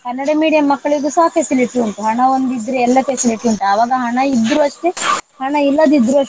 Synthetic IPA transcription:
kɐnːɐɽɐmiːɽijɐmːɐkːɐɭiɡuːsɐɦɐfesiliʈiɐɳt̪uɦɐɳɐond̪id̪ːɾeɛlːɐfesiliʈiɐnt̪ɐɐʋaːɡɐɦɐɳɐid̪ɾuɐʂʈ̪ehɐɳɐilːɐd̪id̪ɾuɐ

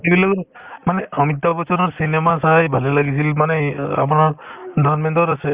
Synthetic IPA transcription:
kibilɔk | manɛɔmit̪̬ːabɔsɔnɔɹsinɛmasajbʱalɛlaɡis̬ilmanɛa̰manɔɹdʱanmɛntɔɾasɛ

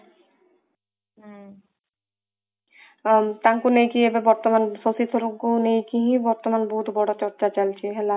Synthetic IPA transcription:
t̪aŋkunejkiebebɔɾt̪omansosit̪ʰoɾoɡunejkiɦĩbɔɾt̪omanboɦut̪bɔɽot͡ɕɔɾt͡ɕat͡ɕalt͡ɕʰiɦɛla

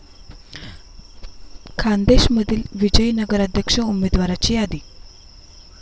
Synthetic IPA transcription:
kʰand̪eɕməd̪ʱiːlʋid͡ʑəjnəɡəɾəd̪ʱjəkʂəumed̪ʋaɾat͡ɕiːad̪iː

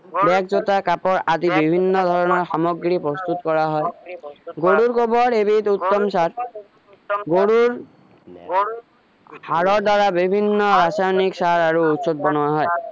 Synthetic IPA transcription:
bɛkzot̪akapɔɹadibibʱinːɔd̪ʱɔɹɔnɔɹxamɔɡɾipɾɔst̪ut̪kɔɹaɦɔjɡoɽuɾkobɔɾebit̪ut̪ːɔmsaɾ | ɡoɽuɹ | haɾɔɾd̪aɾabibʱinːɔɾasajɔniksaɾaɹuut̪sot̪̚bɔnuaɦɔj

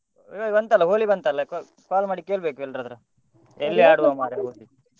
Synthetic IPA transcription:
obɐnt̪alːɐɦoːlibɐnt̪alːɐk | kaːlmaːɽikeːɭbeːkuɛlɾɐd̪ɾu | elːiaːɽuʋaːmaːɾeɦoːli

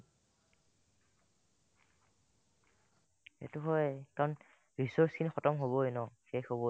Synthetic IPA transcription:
ḛtuɦɔjkaɹɔn | ɹisɔɹskʰinixɔtɔmɦobɔjnɔxejxobɔ

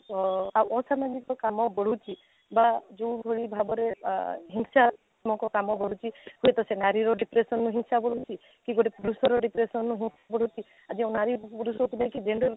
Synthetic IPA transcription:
aʔɔsamad͡ʒikɔkamɔbɔɽ̤ut͡ʃʰi | bad͡ʒoũbʱɔɭibʱabɔɾeɦiŋsa | mɔkɔkamɔbɔɽ̤ut͡ʃʰihujet̪ɔsenaɾiɾɔɖipɾesɔnːuɦinsabɔɽ̤ut͡ʃʰi | kiɡoʈepuɾusɔɾɔɖipɾesɔnːuɦinsabɔɽ̤ut͡ʃʰi | ad͡ʒiãnaɾipuɾusɔkunajkid͡ʒeɳɖɔɾ

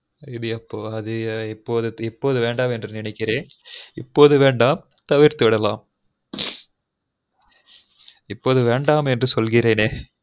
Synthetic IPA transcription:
ɪðɯɐpːoːɐðɯɪpːoːðɯɪpːoːðɯʋeːɳɖaːmɛndrɯnɪnɐɪkːɪɾẽː | ɪpːoːðɯʋeːɳɖaːm | t̪ɐʋɪɾt̪ɯʋɪɽɐlaːm | ɪpːoːðɯʋeːɳɖaːmɛndrɯsɔlɣɪɾeːneː

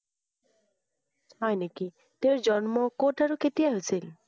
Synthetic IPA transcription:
sajneki | teʊɹzɔnmɔkotaɹuketijaɦojsil

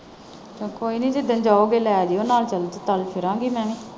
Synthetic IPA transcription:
t͡ʃõːkoːiːnĩːd͡ʒed̪ənd͡ʒaːoːɡeːlɛːd͡ʒiːoːnaːlt͡ʃəlt̪t̪əlpʰɪɾãːɡiːmɛ̃ːʋĩː

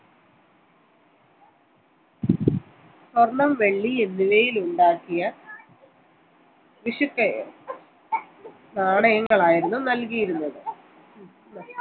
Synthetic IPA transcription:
sornɐmʋe̞ɭːienːiʋejiluɳɖaːkːijɐ | ʋiʂukːe | naːɳɐjɐŋːɐɭaːjiɾunːunɐlkijiɾunːɐðɨ

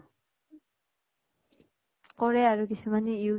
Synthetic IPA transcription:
kɔɹɛaɹukisʰumanei

